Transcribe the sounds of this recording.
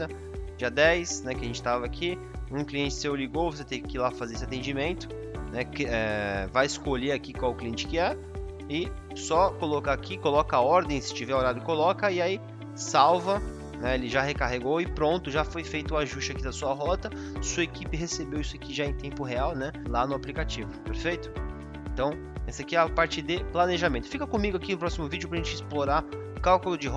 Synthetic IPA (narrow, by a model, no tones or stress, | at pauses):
ɐ | d͡ʒiɐd̪ɛjsnɛkɪɐʒẽt͡ʃɪ̥t̪avɐakʰi | ũkliẽnt͡ʃɪ̥sewliɡowvos̬et̪ẽkkɪlafazeesɪat̪ẽd͡ʒimẽnt̪ʊ̥ | nɛkɛvajɪskoʎeakikwawʊkliẽt͡ʃɪ̥kɪɛ | ɪ | sɔkolokaːkʰikolɔkɐɔɾd̪ẽj̃sɪ̥t͡ʃivɛoɾadʊɪkolɔkɐiai | sawvɐ | nɛelɪʒaɦekaɦeɡowɪpɾõnt̪ʊʒafojfejt̪ʊaʒust͡ʃɪakid̪ɐsuɐɦɔt̪ɐ | suɐekipɪɦesebewisʊakiʒaẽj̃t̪ẽmpʊɦeawnɛlanʊaplikat͡ʃivʊpeɾfejt̪ʊ̥ | ẽt̪ɐ̃w̃ | ɛsakiɛapaɾt͡ʃɪd̪ɪplaneʒamẽnt̪ʊ̥fikɐkõmiɡʊakinʊpɾɔsimʊvid͡ʒʊpɾɐʒẽt͡ʃɪisploɾaʊkawkʊlʊd͡ʒɪɦɔ